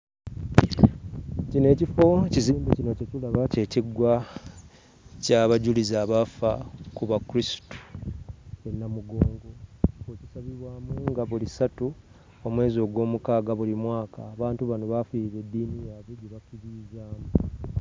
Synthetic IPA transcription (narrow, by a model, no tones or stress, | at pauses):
cine̞ːcifo̞ciziːmbecino̞ce̞culaβace̞ːciɡwa | caβaɟulizaːβafakuβakuɾistu̥ | e̞nːamuɡo̞ːŋɡo̞oci̥saβiβwaːmuŋɡaβulisatu | omwe̞ːzo̞ːɡwo̞ːmukaːɡaβulimwaːka̰ːβaːntuβano̞βafiiβe̞dːiːnijaβeɟeβakiβiːzaːmu